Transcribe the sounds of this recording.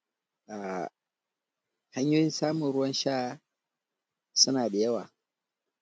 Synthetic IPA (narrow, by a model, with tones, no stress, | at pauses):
ʔa˨ | ha˦ɲjʊː˦ɽɪ˦nsaː˦mʊ˨nɽʊ˦wɐ˦nʃaː˦ | sʊ˦naː˨ɗa˨jɐ˦waː˨